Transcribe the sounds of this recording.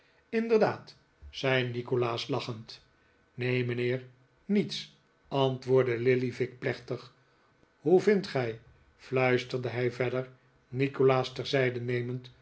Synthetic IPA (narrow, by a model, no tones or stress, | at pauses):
ɪndəɹdaːt | sɛjnikolaːslɑχənt | nejmənɪːɹ | nits | ɑntʋʊːɹdəlɪlivɪk̚plɛχtəχ | ɦuvɪntχɛj | flœɥstəɹdəɦɛjvɛdəɹ | nikolaːstɛɹzɛjdənejmənt